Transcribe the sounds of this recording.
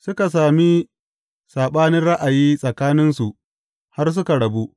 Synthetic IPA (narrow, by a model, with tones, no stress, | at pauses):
sʊ˦ka˨s̬aː˨mi˦ | sʼaː˨ɓaː˦nɪ˦nɽa˦ʔa˨jiː˦sʼɐ˨kaː˦nɪ˦nsu˨ʔ | ha˦rs̬ʊ˦ka˨ɽɐ˨bu˦ʔ